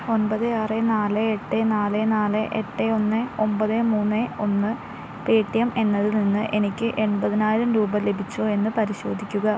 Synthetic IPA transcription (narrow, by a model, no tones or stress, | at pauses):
o̞nbɐðɨaːrenaːlɨeʈːenaːlɨnaːlɨʔḛʈːeo̞nːɨo̞mbɐðɨmuːnːeo̞nːɨ | peːʈːijɐme̞nːɐðɨninːɨʔe̞nikʲːɨʔe̞ɳbɐðinaːjiɾɐmɾuːbɐle̞bʱit͡ɕːoːe̞nːɨpɐɾiɕo̞ːd̪ʱikʲːuɣɐ